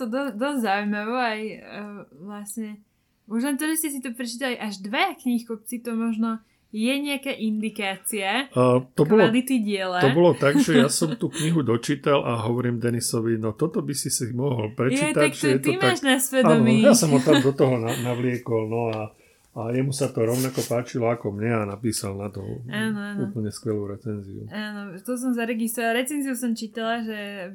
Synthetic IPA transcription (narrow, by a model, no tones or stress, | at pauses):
t̪ɔd̪ɔsd̪ɔzʲzaujmaʋɔaj | ʋlasɲɛ | uʒlɛnt̪ɔʒɛscɛsit̪ɔpɾɛt͡ʃiːt̪aliʔaʒd̪ʋɛakɲixkɔp̚t͡sit̪ɔmɔʒnɔ | jɛɲɛakaʔind̪ikaːt͡siat̪ɔkbɔʋlɔalit̪iɟɪɛlaɔbɔlɔt̪aɡʒɛjasɔmt̪uːkɲiɦud̪ɔt͡ʃiːt̪alʔaɦɔʋɔɾiːmd̪ɛnisɔʋinɔt̪ɔt̪ɔbisisimɔɦɔlpɾɛt͡ʃiːt̪acʒɛjɛt̪ɔtmaʒnasʋɛdaɔnɔmjasɔmɔt̪ad̪ɔt̪ɔɦɔnanaʋlɪɛkɔlnɔa | ajɛmusat̪ɔɾɔʊnakɔpaːt͡ʃilɔakɔmɲɛanapiːsalnat̪ɔ̰aːnɔauːpl̩ɲɛskʋɛluːɾɛt͡sɛnzḭṵaːnɔt̪ɔs̬ɔmzaɾɛɡist̪ɾɔʋalɾɛt͡sɛnziusɔmt͡ʃiːt̪alaʒɛ